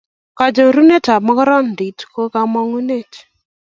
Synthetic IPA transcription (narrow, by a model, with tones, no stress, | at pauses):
ka˨d͡ʒo˨ɾu˦ne˦ta˨mɔ˦kɔ˦ɾɔ˦n˨di˨tko˦ka˦mɔ˦ŋu˦ne˦˨t